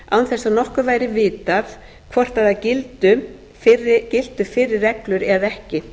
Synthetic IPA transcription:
a̰wnθɛsanɔhkʏvaːjɾɪvɪːt̪af | kʰvɔr̥t̪aðacɪlt̪ʏ | fɪrcɪlt̪ʏfɪɾɪɾːɛklʏɾɛðɛhcɪ

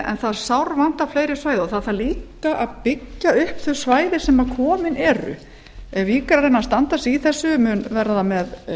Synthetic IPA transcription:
ɛ̰nθaðsawɾvant̪afleːjɾɪsvajðɪɔθaðθaðliːkaʔaðpɪcːaʏhpθœsvaːjðɪsɛmḁkʰɔːmɪnɛːɾʏ̰ | ɛvviːkaɾaɾejnːast̪ant̪asiθɛsːʏmʏnvɛɾðamɛð

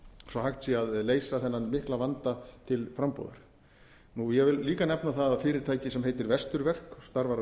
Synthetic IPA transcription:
sɔhajxt̪siaðleːjsaθɛnːanmɪhklavant̪at̪ʰɪlfɾampo̰ːðʏɾ̥ | nujɛvɪllːiːkanɛpnaθaðfɪːɾɪɾ̥t̪ʰaːjcɪsɛmɦeːjt̪ɪɾvɛst̪ʏɾvɛr̥kst̪aɾvaɾ

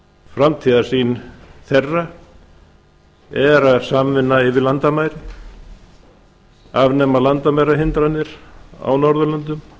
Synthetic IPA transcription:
fɾamt̪ʰiːðḁsiːnθɛrːa | ɛɾaðsaːmvɪnːaɪvɪɾlant̪amaːjɾɪ | avnɛːmalant̪amajɾaɦɪnt̪ɾanːɪɾ̥a̰wnɔɾðʏlant̪ʏm

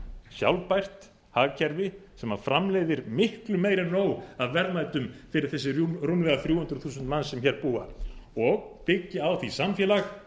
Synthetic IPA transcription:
sja̰wlpajr̥t̪ | haːɣcʰɛɾvɪsɛmafɾamleːjðɪɾmɪhklʏmeːjɾanoːwaðvɛɾðmaːjt̪ʏmfɪɾɪɾ̥θɛsːɪurunvɛɣaθɾjuːhʏnt̪ɾʏθuːsʏnt̪manːsɛmçɛːɾpuːa̰ɔɣpɪcːɪawθisamfjɛːlax

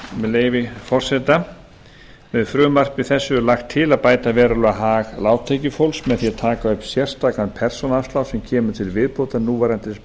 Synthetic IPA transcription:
mɛleːjvɪfɔr̥sɛt̪a | vɛðfɾʏːmar̥pɪθɛsːʏlaxt̪ʰːɪlaðpaːjt̪avɛːɾalʏaɦaːɣlaːwt̪ʰecʏfowlsmɛðθjɛt̪ʰaːkaʏpn̥sjɛr̥st̪aːkanpʰɛr̥sɔnast̪lawsɛmcʰɛːmʏt̪ʰɪlvɪðpʰowt̪anuːvajɾant̪ɪs

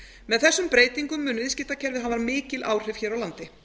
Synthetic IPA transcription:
mɛðθɛsːʏmpɾeːjt̪iŋkʏmːʏːnʏvɪðscɪːt̪acʰɛɾvɪðɦanvaɾmɪːcɪlʔaːwr̥ɪv̥çɛːɾawlant̪ɪ

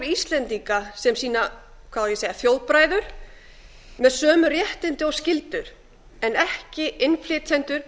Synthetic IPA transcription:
ɾist̪lɛnt̪ikasɛmsiːna | kʰv̥aðjɛseːjðaθjoːwðpɾaːjðʏɾ̥ | mɛðsœːmʏrjɛht̪ɪnt̪ɪɔscɪlt̪ʏɾ̥ | ɛnɛhcɪʔɪnflɪːt̪ʰɛnt̪ʏɾ̥

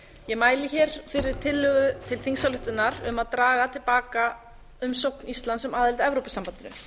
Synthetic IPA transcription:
jɛɣmaːjlɪçɛɾ̥fɪɾɪɾ̥t̪ʰɪlːʏɣʏt̪ʰɪlθiŋsalʏht̪ʏnaɾʏmaðt̪ɾaːɣat̪ʰɪlpaːka | ʏmsowknist̪lant̪sʏmaːðɪlt̪ɛvɾowpʏsampant̪ɪnʏ̰

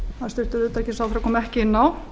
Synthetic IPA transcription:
haðɾst̪ʏht̪ʏɾʏːt̪aɛhcɪsawθɾakɔːmɛhcɪɪnːaw

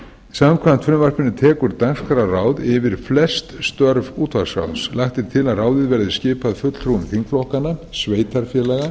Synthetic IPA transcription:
isamkʰvan̥t̪fɾɪmvar̥pɪnːɪt̪ʰɛːkʏɾt̪aŋskaɾaraːwðɪvɪɾ̥flɛst̪st̪œɾvuːt̪vasa̰wnslajht̪ɪɾ̥t̪ʰɪlaðraːwðɪðvɛɾðɪscɪːpaðfʏt̪l̥θɾuʏmθiŋklɔhkanːasveːjt̪aɾ̥fjɛːlɛɣa

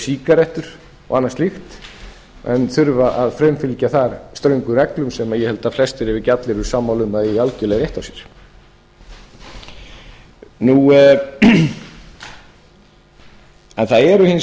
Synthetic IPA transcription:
siːkaɾɛht̪ʏɾ̥ | ɔ̰ɣanːast̪lixt̪ | ɛ̰nθʏɾvaʔaðfɾœɥnfɪlcaθaɾst̪ɾœɥŋkʏɾɛklʏmsɛmajɛhɛlt̪aflɛst̪ɪɾɪvɪcat̪lɪɾʏ̥saːmːawlʏmaialcʏlɛɣɾjeht̪awsjɛ̥ɾ̥ | nu | ɛnθaðɛɾʏhɪn

